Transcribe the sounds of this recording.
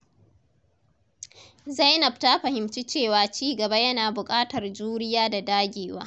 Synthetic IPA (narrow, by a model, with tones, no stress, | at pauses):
za˦jnɐ˨b̚taː˦ɸɐ˨hɪ˨mt͡ʃi˦t͡ʃeː˦˨waː˨t͡ʃiː˦ɡɐ˨ba˦jɐ˦naː˨bʊ˨kʼaː˦tɐ˨rd͡ʒuː˦ɾɪ˦jaː˦da˨daː˦ɡʲeː˨wa̰ː˦